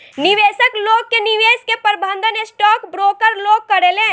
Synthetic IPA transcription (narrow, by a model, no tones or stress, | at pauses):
niʋeːsəkloːɡ̚keniʋeːskepəɾbʱə̃nd̪ʱənesʈɔːkbɾoːɡəɾloːɡ̚kəɾelẽː